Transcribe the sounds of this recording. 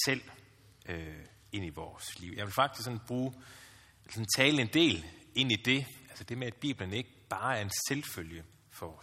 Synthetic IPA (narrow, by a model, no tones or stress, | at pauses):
sel̰ | ø | e̝n̰iʋɒːsliʊ̰jɑ̈ɪʋe̝lfɑ̈ɡ̥d̥isɡ̥sɒ̽nb̥ʁuː | esɒ̽n̩t͡sʰɛːləe̝nd̥e̝̰ːle̝n̰id̥e̝ælsəd̥e̝meæd̥̚b̥ḭːb̥ləne̝ɡ̥əb̥ɑ̈ːæɐe̝nselføljə | fɒɒ